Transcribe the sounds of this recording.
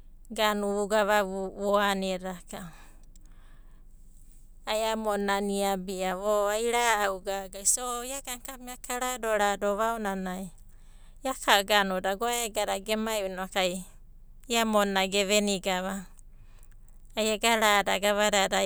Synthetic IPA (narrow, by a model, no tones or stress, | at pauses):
ɡanuuɡaβaβoaneɾaka | ajamonaniabiaβoajɾaːwɡaɡajsojaɡaŋkamiakaɾadoɾadoβaonanaj | jakʰaɡanodaɡoaeɡaɾaɡemajunoakaj | jamonaɡeβeniɡaβa | jaɡaɾadaɡaβaɾada